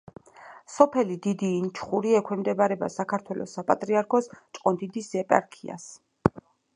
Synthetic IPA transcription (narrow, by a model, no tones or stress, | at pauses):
sɔpʰɛlid̪id̪iːnt͡ʃʰχuɾiɛkʰwɛmd̪ɛbaɾɛba̰sakʰaɾt̪ʰwɛlɔ̰sːapʼat̪ʼɾiaɾkʰɔst͡ʃʼqʼɔnd̪id̪isɛpʼa̰ɾkʰia̰s